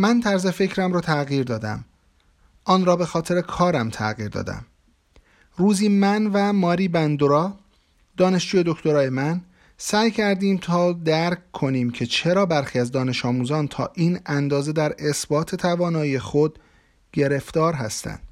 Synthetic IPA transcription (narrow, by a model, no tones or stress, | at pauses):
mænt̪ʰæɾzefe̞cʰɾæmɾɒːt̪ʰæɣiːɾd̪ɒːd̪æ̰m | ʔɒːnɾɒːbe̞xɒːt̪ʰe̞ɾekʰɒːɾæmt̪ʰæ̰ɣiːɾd̪ɒ̰ːd̪æ̰m | ruːziːmænvæmɒːɾiːbænd̪oɾɒː | d̪̥ɒːne̞ʃd͡ʒuːje̞d̪okt̪o̞ɾɒːje̞mæn | sæːjcʰæɾd̪iːmt̪ʰɒːd̪æɾkkʰːo̞niːmcʰe̞t͡ʃʰe̞ɾɒːbæɾxiːæzd̪ɒːne̞ʃɒːmuːzɒːnt̪ʰɒ̰ːʔiːnænd̪ɒːze̞d̪æɾe̞sbɒːt̪ʰe̞t̪ʰævɒːnɒːijexo̞d̪̥ | ɟe̞ɾe̞ft̪ɒːɾɦæst̪æ̰nd̪̥